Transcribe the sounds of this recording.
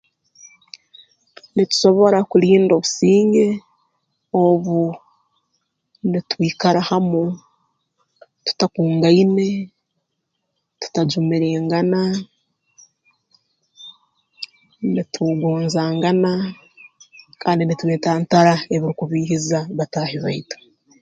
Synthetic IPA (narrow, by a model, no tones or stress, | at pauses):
nitu̥so̞βo̞ɾakuliːndo̞βusiːŋɡe̞ | oβu | nitwiːkaɾahamu | tu̥takuːŋɡaine̞ | tu̥taɟumiɾeːŋɡana | nitʰuɡoːnzaːŋɡana | kaːndinituweːtaːntaɾae̞βiɾikuβiːhizaβataːhiβaitu̥